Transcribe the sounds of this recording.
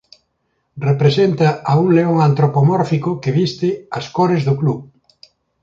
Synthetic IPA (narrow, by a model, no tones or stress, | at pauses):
repɾesent̪ɐɐuŋleoŋant̪ɾopomɔɾfikʊkɪβist̪ɪɐskoɾezðʊklu